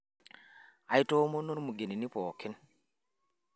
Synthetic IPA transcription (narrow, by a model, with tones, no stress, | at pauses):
ʔa˨jtoː˦mo˦no˦nmu˨ɡe˨ni˨ni˦pɔː˨ki˦n